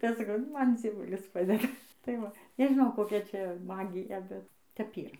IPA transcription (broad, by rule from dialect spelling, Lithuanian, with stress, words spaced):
ˈtɐɪ ˈɐʃ sɐˈkɐʊ ˈmɐn d͡zʲiɛˈʋʊlʲɪs ˈpɑːdʲɛdɐ tɐɪ ˈʋɐ nʲɛʒʲɪˈnɐʊ koːˈkʲɛ ˈt͡ʃʲɛ ˈmɑːɡʲɪjɛ ˈbʲɛt tʲɛp ˈiːrɐ